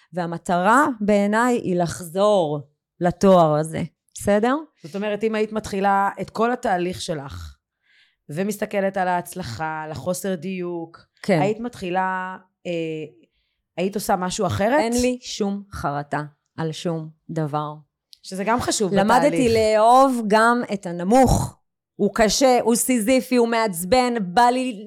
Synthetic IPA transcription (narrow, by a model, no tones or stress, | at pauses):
veamat̪aʁabeːnajʔḭlaχzo̞ʁ | lato̞aʁazḛ | besede̞ʁz̥ot̪o̞meʁetimaitmatχilaetko̞lataːliχʃe̞laχ | vemist̪ake̞le̞talaːt͡slaχalaχo̞se̞ʁd̪ijuk | kʰeait̪matχila | e | aito̞samaʃuaχeʁeenliʃumχaʁata | ʔalʃumd̪avaʁ | ʃezeɡamχaʃuvlamadlileːo̞vɡametanamuχ | ukaʃeʔusizifiumeat͡sbe̞nbali